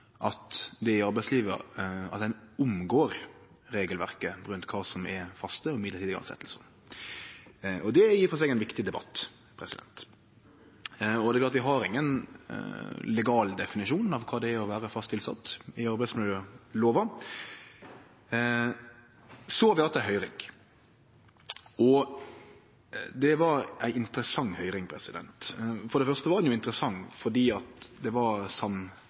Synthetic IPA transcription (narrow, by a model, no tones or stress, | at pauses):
ʔɑt̪d̪ɛɪɑɾbæɪsliːʋə̰ɾɑ̰t̪̚d̪ɛnʊmɡoːɾ | ɾeːɡəlʋæɾkəɾʉnt̪kʰɑːsɔmɛfɑst̪əɔɪmɪd̪əɾtʰid̪əɡɾɑ̰nsɛ̰t̪ʰːlsə̰n | ɔd̪ɛjiːɾfɔnsɛɡɛɪnʋɪkt̪ɪd̪ɛbɑ̰t̪ː | pʰɾɛsɪd̪ɛ̰nt̪ | ɔd̪ɛklɑːt̪ʋɪɦɑɾɪŋːən | lɛɡɑːld̪ɛfɪnɪʂuːnɑʋkʰɑːd̪ɛæɾɔʋæːɾəfɑst̪ɪlsɑ̰t̪ːɪɑɾbæɪsmɪljəloːʋɑ | sɔɑʋɪɑt̪æɪɦœʏɾɪ̰ŋ | ɔ | d̪ɛʋɑɾæɪɪnt̪əɾəsɑŋːhœʏɾɪŋpʰɾɛsɪd̪ɛ̰nt̪fɔɾɖɛfœʁst̪əʋɑɾd̪ɛnjʊɪnt̪ɾəsɑŋːfɔɖiːɑt̪d̪ɛʋɑɾsɑm